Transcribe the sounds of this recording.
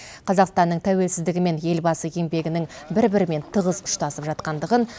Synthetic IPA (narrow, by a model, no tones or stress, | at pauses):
qʰɑzɑqst̪ɑnːəɴt̪ʰæwe̞lsɪzd̪ɪɡʲɪme̞nje̞lbɑsəje̞ŋbe̞ɡʲɪnɪŋbɪɾbɪɾɪme̞nt̪ʰəʁəzʊ̥ʃt̪ɑsəpʒɑt̪qɑnd̪əʁən